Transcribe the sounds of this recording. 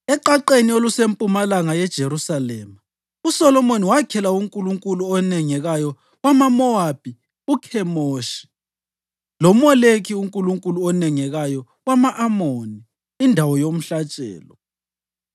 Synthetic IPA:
ɛǃaǃeniolusempʼumalaŋajɛd̥ʒ̥ʱeɾusalɛːma | usɔlɔmoniwakʰɛlauŋkʼuluŋkʼuluɔnɛŋɛɣajɔ | wamamɔab̥ʱi | ukʰɛmoːʃi̥ | lɔmɔlekʰiuŋkʼuluŋkʼuluɔnɛŋɛɣajɔ | wamaʔamoni | indʱawɔjom̩ɬat͡ʃʼɛ̰ːlɔ

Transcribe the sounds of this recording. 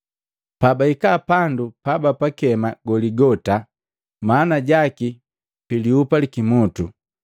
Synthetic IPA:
pabaikapandupabapakɛmaɡɔliɡɔta | manaɟaki | piliupalikimutu

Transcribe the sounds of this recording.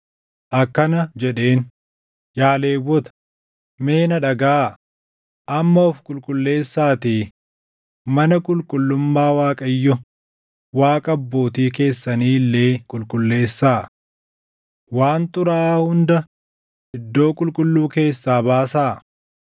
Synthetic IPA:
ʔɐkːɐnɐd͡ʒɛᶑe̞ːn | jaːle̞ːwːɔt̪ɐ̥ | me̞ːnɐᶑɐɡaː | ʔɐmːɐɔfkʼʊlkʼʊlːe̞ːsːaːt̪iː | mɐnɐkʼʊlkʼʊlːʊmːaːwaːkʼɐjːɔ | waːkʼɐbːoːt̪iːk̬e̞ːsːɐniːlːe̞ːkʼʊlkʼʊlːe̞ːsːaː | waːnt̪ʊɾaːhʊnd̪ɐ | ɪd̪ːo̞ːkʼʊlkʼʊlːuːke̞ːsːaːbaːsaː

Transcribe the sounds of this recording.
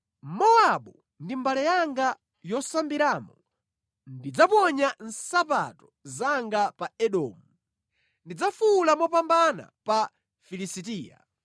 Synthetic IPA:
mɔaɓu | ndimbalɛjaŋɡa | jɔsambiɾaːmɔ | ndid͡zapɔɲan̩sapa̰tɔzaŋɡapaɛɗɔ̰ːmu | ndid͡zafulamɔpambana̰pa | filisitiːja̰

